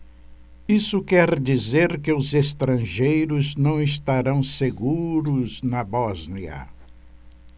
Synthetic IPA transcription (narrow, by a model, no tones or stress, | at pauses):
isʊkɛɾd͡ʒizeɾkɪʊzest̪ɾɐ̃ʒejɾʊznɐ̃w̃ɪst̪aɾɐ̃w̃seɡuɾʊznɐbɔzniɐ̰